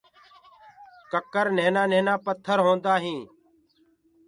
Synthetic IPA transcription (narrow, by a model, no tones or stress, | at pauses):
kəkəɾneːnaːneːnãːpət̪ʰːəɾɦõːnd̪aːɦĩː